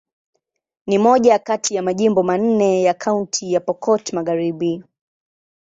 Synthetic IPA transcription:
nimɔʄakatijamaʄimbɔman̩nɛjakʰauntʰijapɔkɔtmaɣaɾiɓi

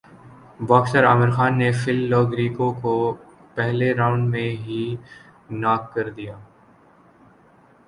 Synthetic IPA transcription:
baːksəɾaːmɪɾxaːnːefɪlːɔːɡɾiːkõko | pɛɦleɾaːʊ̃ɳɖmẽɦi | naːkːɐɾd̪ijaː

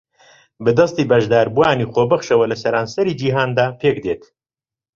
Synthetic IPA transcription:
bɨd̪ɨst̪iːbɐʒd̪aːɾbuaːniːxoːbɨχʃɐwɐlɨsɐɾaːnsɐɾiːd͡ʒiːɦaːnd̪aːpʰeːkd̪eːt̪

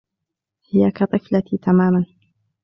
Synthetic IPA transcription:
hɪjakat̪ˤɨflat̪it̪ʰamaːman

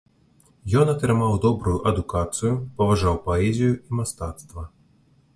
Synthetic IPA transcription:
jɔnɐt̪ɾɨmawd̪ɔbɾujuʔɐd̪ukat̪sɨjupɐvaʐawpɐɛzʲijuimast̪at̪st̪vɐ

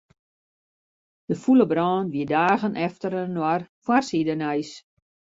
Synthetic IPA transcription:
d̥əfuləbrɔːnʋiədaːɣənʔɛftəɾənwarfwarsidənɛjs

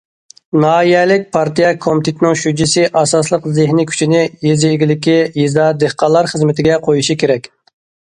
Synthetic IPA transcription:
nɑːjɛlɪk̚ʲpʰɑɾt̪ʰijɛkʰomɪt̪ʰɪt̪ʰɪnɪŋʃyd͡ʒisɪʔɑsɑslˠəqzɪhnikʲʰy̥t͡ʃʰinɪjezːɡʲilɪkʲijizd̪ɑd̪ehqɑlˠɑɾχəzmɪt̪ʰɪɡʲɛqʰojuʃikʲʰeɾɛkʲ

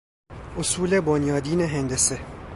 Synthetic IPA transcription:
ʔosuːlebonjɒːd̪iːneɦend̪ese

